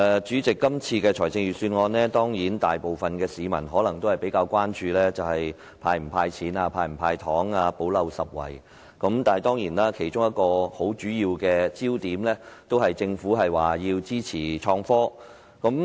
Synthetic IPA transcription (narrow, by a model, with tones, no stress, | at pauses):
ɛː˨˧t͡ʃyː˨˥t͡sɪ˨kːɐ˥mt͡sʰiː˧kɛː˧t͡ʃʰɔː˨˩jt͡sɪ˧ŋɥyː˨syː˧nŋɔː˧nlɛ˥t̪ɔː˥ŋjiː˨˥nt̪aː˨jpo˨wfɐ˨nkɛː˧siː˨˧mɐ̰˨˩nɦɔː˨˥lɐ˨˩ŋt̪o˥whɐ˨jpe˨˥jkaː˧wkʷaː˥nt͡ʃyː˧lɛː˥t͡sɐ˨whɐ˨j | pʰaː˧jm̩˨˩pʰaː˧jt͡sʰiː˨˥naː˧pʰaː˧jm̩˨˩pʰaː˧jt̪ʰɔː˨˥ŋaː˧po˨˥wlɐ˨˧wsɐ˨p̚wɐ̰˨˩j | kɐ˨˥mt̪aː˨nhɐ˨jt̪ɔː˥ŋjiː˨˩naː˥kʰe˨˩jt͡ʃʊ˥ŋjɐ˥t̚kɔː˧ho˨˥wt͡ʃyː˨˥jiː˧wkɛː˧t͡siː˥wt̪iː˨˥mlɛː˥t̪o˥whɐ˨jt͡sɪ˧ŋfu˨˥ɦɐ˨jwaː˨˩jiː˧wt͡siː˥t͡sʰiː˨˩t͡ʃʰɔː˧ŋfɔː˥ | kɐ˨˥m